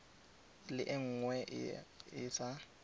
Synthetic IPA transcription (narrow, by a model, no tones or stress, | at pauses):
lɪʔɪŋ̩ŋwɛ | ɪsa